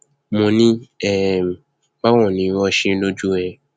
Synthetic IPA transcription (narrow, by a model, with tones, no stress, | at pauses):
mõ˧nĩ˦ɛ˦˨ | ba˦w̃ɔ̃˦˨nĩ˨˦wɔ˧˦ʃĩ˦lo˦d͡ʒu˦ɛ˧˨